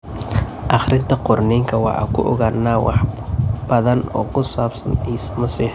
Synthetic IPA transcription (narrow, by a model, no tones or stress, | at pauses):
ʔɑχrʔɪnt̪ʰɐqʊrniːŋkʰɐwɑ̰ʕɐ̰kʰʊʔɔɣaːnːaːwɑ̰ħb̥ɐðɐnɔːkʰʊsaːbsɐniːsɐmɐsiːħ